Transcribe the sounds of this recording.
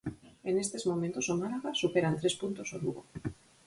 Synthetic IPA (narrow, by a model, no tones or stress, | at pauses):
enest̪ezmo̞mẽnt̪osomalaɣasupeɾant̪ɾespunt̪osoluɣo̰